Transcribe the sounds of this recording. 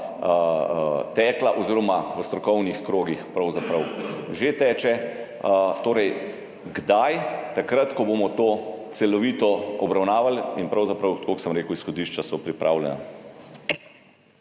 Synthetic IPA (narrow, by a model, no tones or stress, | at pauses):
t̪ɛːklaʔɔziːɾɔmaʋəst̪ɾɔkɔwnixkɾoːɡixpɾɐwzapɾɐwʒet̪ɛːt͡ʃɛ | t̪oːɾɛj | ɡd̪ajt̪akɾat̪kɔbomɔt̪oːt̪sɛlɔʋiːt̪ɔɔbɾawnaːʋalinpɾɐwzapɾɐwkoksəmɾeːkuwisxɔd̪iːʃt͡ʃasɔpɾipɾʔaːwljɛ̰na̰